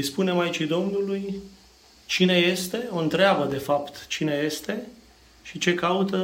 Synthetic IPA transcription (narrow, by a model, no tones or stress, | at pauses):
spune̞mait͡ʃid̪o̞mnuluj | t͡ʃine̞je̞st̪e̞o̞ɨnt̪ɾeabəd̪e̞fapt̪t͡ʃine̞je̞st̪e̞ | ʃit͡ʃe̞kaut̪ə